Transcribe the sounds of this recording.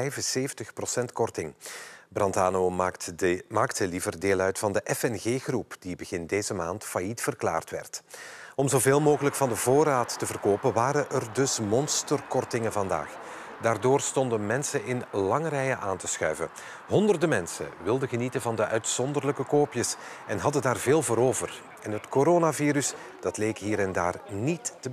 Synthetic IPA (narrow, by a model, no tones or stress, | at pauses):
ɛjvənseːvəntəxprosɛntkɔrtɪŋbrɑntaːno | maːktəlivərdeːlœɥtfɑndəʔɛfɛnɣeːɣrupd̥ibəɣɪndeːzəmaːntfajitfərkla̰ːrtʋɛ̰rtɔmzoveːlˠmoːɣələkfɑndəvoːɾaːtːəvərkoːpənʋaːɾəʔərdɵsmɔnstərkɔrtɪŋənvɑnda̰ːx | daːrdoːrstɔndənmɛnsənʔɪnlɑŋrɛjəʔaːntəsxœ̰ɥvə̰ | ɦɔndərdəmɛnsə̰ʋɪlˠdəɣənitəvɑndəʔœɥtsɔndərləkəkoːpjəsɛnɦɑdəndaːrveːlˠvoːɾoːvər | ɛnɦətkoɾoːnaviːɾys | d̥ɑtlejkɦiːɾɛnda̰ːrnitːə